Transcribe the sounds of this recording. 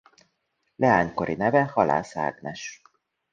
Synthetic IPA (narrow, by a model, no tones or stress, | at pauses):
lʔɛaːɲko̞ɾinɛvɛhɒla̰ːsa̰ːɡnɛʃ